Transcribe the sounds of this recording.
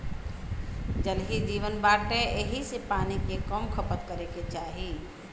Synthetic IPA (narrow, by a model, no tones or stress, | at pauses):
d͡ʒəlɦid͡ʒiːʋənbaːʈẽʔeɦisepaːnikekɔmkʰəpət̪kəɾeket͡ʃaːɦi